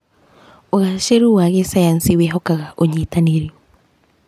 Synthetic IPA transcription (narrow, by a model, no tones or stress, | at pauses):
oɣaʃeɾuwaɣesajansiweɦɔkaɣaʔoɲitaneɾiɔ